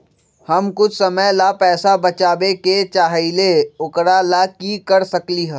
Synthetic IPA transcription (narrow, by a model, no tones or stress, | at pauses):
hɐmkʊt͡ʃʰsɐməjlapɛːsabɐt͡ʃaːbeket͡ʃaːɦileʊkɾalakikɐɾsɐkliɦɛː